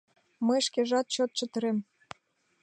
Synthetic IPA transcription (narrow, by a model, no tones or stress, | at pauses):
məjʃkeʒɑt̪̚t͡ɕot̪̚t͡ɕə̆t̪ə̆ɾem